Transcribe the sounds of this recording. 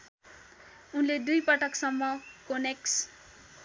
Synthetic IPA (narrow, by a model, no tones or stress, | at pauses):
unled̪ujpʌʈʌksʌmːʌkoneks